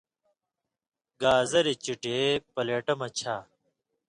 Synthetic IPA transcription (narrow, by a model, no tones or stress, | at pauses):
ɡaːzɐɾit͡ɕiʈeːpɐleːʈɐmɐt͡ɕʰaː